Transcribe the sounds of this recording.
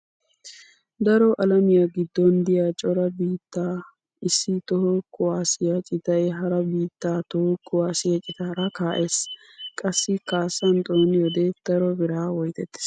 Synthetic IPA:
d̪ɐɾɔʔɐlɐmɪjaɡɪd̪ːɔnd̪ɪjat͡ʃʼɔɾɐbiːt̪ːaː | ɪsːɪt̪ɔhɔkʊwaːsɪjɐt͡ʃʼɪt̪ɐjɛɦɐɾɐbiːt̪ːaːt̪ɔhɔkːʊwaːsɪjɐt͡ʃʼɪt̪aːɾɐkaːʔeːs | kʼɐsːɪkaːsːɐnt̪ʼoːnɪjɔd̪ɛd̪̥ɐɾɔbɪɾaːwɔjt̪ɛt̪ːɪ̥s

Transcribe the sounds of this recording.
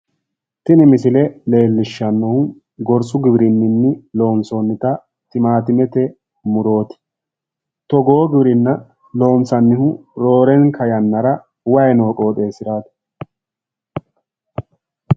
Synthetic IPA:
t̪ɪnɪmɪsɪlɛle̞ːlːɪʃːɐnːɔhʊ | ɡɔɾsʼʊɡɪbɪɾɪnːɪnːɪlo̞ːnsonːɪt̪ɐ | t̪ɪmaːt̪ɪmɛt̪ɛ | mʊɾo̞ːt̪ɪ̥ | t̪ɔɡoːɔɡɪbɪɾɪnːɐ | lo̞ːnsɐnːɪhʊɾo̞ːɾɛŋkʰɐjɐnːɐɾɐ | wɐjɛno̞ːkʼo̞ːt̪ʼeːsɪɾaːt̪ɐ̥

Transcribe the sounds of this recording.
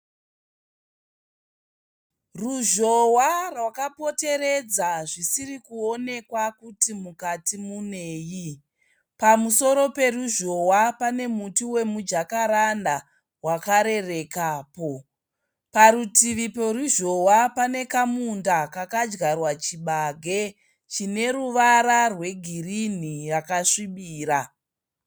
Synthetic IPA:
ruʒo̞warwakapo̞te̞ɾe̞d͡zaʐisirikuo̞ne̞kwakutimukatimune̞ːji | pamuso̞ɾo̞pe̞ruʒo̞wapane̞mutiwe̞mud͡ʒakaɾanda | wakaɾe̞re̞kaːpo̞ | paɾutiʋipoɾuʒo̞wapane̞kamundakakad͡ʒɡarwat͡ʃiɓaɡʱe̞ | t͡ʃine̞ɾuʋaɾarwe̞ɡʱirin̤irakaʂiɓiːɾa

